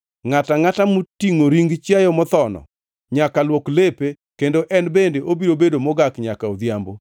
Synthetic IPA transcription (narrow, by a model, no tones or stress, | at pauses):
ŋataŋatamutiŋoɾiŋɡt͡ʃjajɔmɔt̪ɔnɔ̰ | ɲakalwoklepe | kendoʔɛnbendeʔobiɾobedomɔɡakɲakaod̪jambo